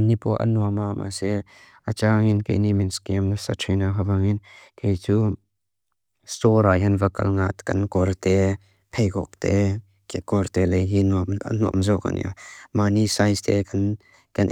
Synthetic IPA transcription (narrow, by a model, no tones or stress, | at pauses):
nipɔʔɐ̰nuamamʔa̰sɛ | ʔɐt͡ʃaːŋinkḛjniminskɛmnsatʰejnaɦavaŋinkejt͡su | stɔɾajɦɐnvɐkɐ̰lŋat̪kɐnkɔɾt̪ɛ | pʰejkɔ̰k̚t̪ɛ | kekɔɾt̪ɛlejɦinumnuɐ̰mzɔka̰nḭmanisajst̪ɛkʰɐn | kɐn